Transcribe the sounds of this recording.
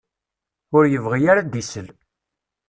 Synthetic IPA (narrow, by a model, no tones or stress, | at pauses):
ʊɾjəvʁijaɾad̪isəl